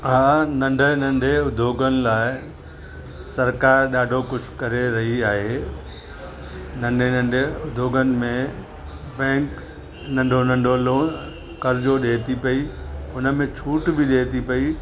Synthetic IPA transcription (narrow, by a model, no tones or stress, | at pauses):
ɦaːnɐ̃ɳɖʱənɐ̃ɳɖʱeʊd̪ʱjoːɡənɪ̆laːɪ | sɐɾkaːɾɗaːɖʱokʊd͡ʑʱkɐɾeɾɐɦiaːɦeː | nɐ̃ɳɖʱenɐ̃ɳɖʱeʊd̪ʱjoːɡənɪ̆mẽ | bɛ̃ːk | nɐ̃ɳɖʱonɐ̃ɳɖʱoloː | kɐɾd͡ʑoɗeːt̪ipɐiʊnə̆mẽt͡ɕʰuːʈbɪɗeːt̪ipɐi